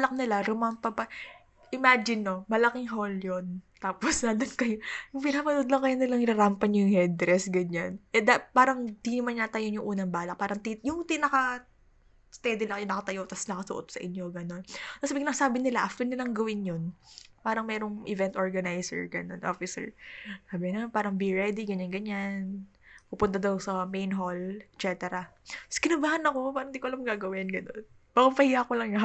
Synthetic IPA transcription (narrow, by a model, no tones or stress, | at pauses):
blɐk̚nɪlaɾʊmampɐpɐ | ʔɪmaːd͡ʒɪnːomɐlɐkɪŋɦoljont̪aːposnad̪ɐnkɐjojʊŋpɪnaːpɐnud̪lɐŋkɐjonɪlɐŋɪɾaɾampɐɲɐjʊŋhɛd̪ɾɛsɡɐɲanʔɛd̪apaːɾɐŋd̪inɐmanɲat̪ɐjonjʊŋʔuːnɐŋbaːlɐk̚paːɾɐŋt̪ijʊŋt̪ɪnɐkɐ | st̪ɛd̪ɪlɐŋjʊnɐkɐt̪ɐjot̪ɐsnɐkɐsʊ̰ʔot̪sɐʔɪɲjo̞ɡɐno̞nɐsabiklɐŋsaːbɪnɪlaʔɐft̪ɛnɪlɐŋɡɐwɪnjonpaːɾɐŋmɛːɾoŋʔɪvɛnt̪ʔoɹɡɐnajsɛ̰ɹɡɐno̞nʔo̰fɪsɛ̰ɹsaːbɪnɐnpaːɾɐŋbiɹɛd̪iɡɐɲanɡɐɲan | pupʊnt̪ad̪ɐwsɐmejnɦolɛt̪t͡ʃɛt̪ɛɾɐskɪnɐbaːhɐnɐko̞paːɾɐŋnd̪ikoɐlamŋɡaːɡɐwɪnɡɐno̞̰n | baɡɐmpɐhijakolɐŋjɐ